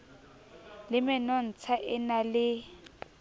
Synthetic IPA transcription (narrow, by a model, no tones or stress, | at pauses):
lɪmɛnɔn̩t͡sʰaʔɪnalɪ